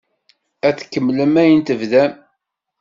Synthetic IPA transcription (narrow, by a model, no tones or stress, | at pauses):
æθkːəmːləmæjənt̪əvðæm